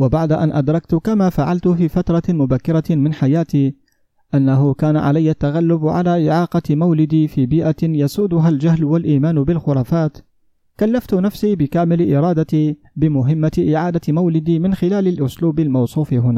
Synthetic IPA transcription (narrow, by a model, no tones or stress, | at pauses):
wabaʕd̪aʔanʔad̪ɾˤɑkt̪kamaːfaʕalt̪ʊfiːfat̪ɾˤɑmʊbakːɪɾˤɑmɪnħajaːt̪iː | ʔanːahʊkaːnaʕa̰lajːat̪ːaɣalːʊbʕa̰laːʔɪʕɑːqɑmawlɪd̪iːfiːbiːʔajasuːd̪ʊɦald͡ʒahlwalʔiːmaːnbɪlxʊɾˤɑːfaːt̪ | kalːaft̪ʊnafsiːbɪkaːmɪlʔɪɾˤɑːd̪at̪iː | bɪmʊɦɪmːaʔɪʕaːd̪amawlɪd̪iːmɪnxɪlaːlalʔʊsluːbalmɑwsˤuːfɪɦʊnaː